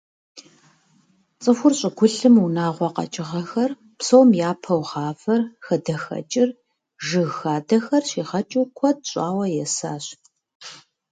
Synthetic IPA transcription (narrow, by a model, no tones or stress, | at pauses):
t͡sʼɨxʷʊrɕʼɪɡʷʊɬɨmunaːʁʷɔqɐ̰t͡ʃʼɪʁɐxɐr | psowmjaːpʰɐwʁɑːfɐrxɐdɐxɐ̰t͡ʃʼɪr | ʒɨɣxaːdɐxɐrɕiːʁɐt͡ʃʼuːkʷʰɔd̚ɕʷʼaːwɐjɛsaːɕ